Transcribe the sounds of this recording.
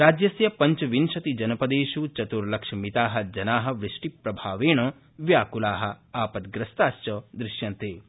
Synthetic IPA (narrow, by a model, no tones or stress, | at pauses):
ɾaːd͡ʒjɐsjɐpɐɲt͡ʃɐʋinʃɐt̪id͡ʒɐnɐpɐd̪eːʃut͡ʃɐt̪uɾlɐkʂɐmit̪aːɦɐ̆d͡ʒɐnaːɦɐ̆ʋɾɪʂʈipɾɐbʱaːʋeːɳ̃ɐ | ʋjaːkulaːɦɐ̆aːpɐt̪̚ɡɾɐst̪aːst͡ʃɔːd̪ɾɪʃjɐnt̪eː